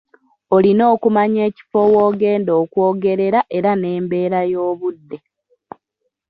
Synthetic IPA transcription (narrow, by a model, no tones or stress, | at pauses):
o̞lino̞ːkumaɲe̞ːci̥fo̞woːɡe̞ːndo̞ːkwoːɡe̞ɾe̞ɾaʔe̞ɾane̞ːmbe̞ːɾajo̞ːβudːe̞